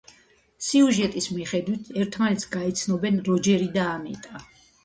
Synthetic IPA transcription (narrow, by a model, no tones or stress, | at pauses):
siuʒɛt̪ʼismiχɛd̪wit̪ʰɛɾt̪ʰmanɛt̪sɡaɛt̪sʰnɔbɛnɾɔd͡ʒɛɾid̪aːnɛ̰t̪ʼa